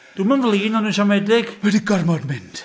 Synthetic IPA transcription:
d̥uːmənvlˠiːnɔnunʃamɛdɪɡ̥wɛdiɡɔrmɔdmɪnd̥

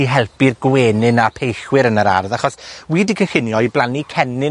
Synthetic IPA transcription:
iɦɛlˠpirɡweːnɨnapʰejɬwɪɾənəɾa̰rðaχɔswiːdikʰənxɪnjɔjblˠanikʰɛnɪ

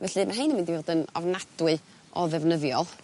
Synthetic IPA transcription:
vɛɬɨmaɦenəmɪndivoːdənɔ̰vnad̥wɨ | ʔɔðɛvnəðjɔlˠ

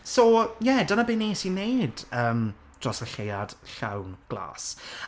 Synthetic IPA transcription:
sojɛdanabeniɛsinejd̥əːm | d̥rɔsəɬejad̥ɬa̰wnɡ̥lˠa̰ːs

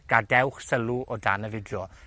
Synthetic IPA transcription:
ɡ̥adɛwχsəluʔɔdanəvɪdjɔ

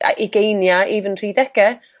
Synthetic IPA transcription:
a̰ʔiɡejnjaivənr̥iːdɛkɛ

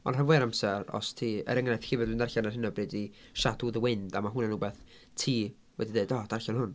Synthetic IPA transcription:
ɔ̰nravɛɾamsɛrɔ̰stʰiːə̰ɾəŋnajθxiːvɛdɨndarɬanarhɪnəbrɨdi | ʃaduðəwɪndamaɦʊnənuːbɛθ | tʰiː | wɛdideɨdɔd̥arɬanhʊn

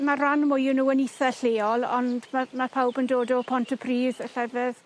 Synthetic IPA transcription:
maranmʊjʊnuːəniθɛɬeːɔlˠɔ̰ndmamapʰawbəndoːdɔpʰɔntʰəpʰriːðəɬɛvɛð

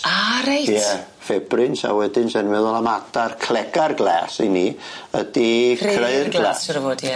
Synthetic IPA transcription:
aɾajɛ | fɛbrɪnsa̰wɛdɪnsɛnmɛðɔlˠamadarkʰlɛɡarɡlɛːsiniədikʰreɨrɡlɛːsɔɾəvoːdj

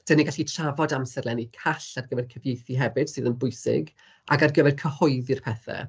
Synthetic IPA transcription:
d̥əniɡaɬitʰravɔdamsɛrlˠɛnikʰaɬarɡəvɛrkʰəvjejθiɦɛvɨd̥sɨːðənbʊjsɪ̰ɡ | a̰ɡarɡəvɛrkʰəhɔɨðirpʰɛθɛ̰

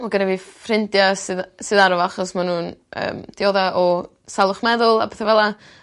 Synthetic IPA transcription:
maɡənɛviːfrɪndjasɨðsɨðaɾɔvaχɔsmanuːnə̰ːmd̥joðaʔɔ | salˠʊχmɛðʊlˠa̰pɛθɛvɛlˠa

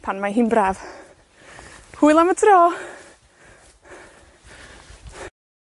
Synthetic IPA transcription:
pʰanmaɦinbrav | huɨlˠamətʰrɔː

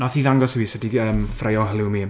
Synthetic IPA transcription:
nɔθiðaŋɡɔsiviːsɛdiəːmfrejɔɦəlˠɪwmi

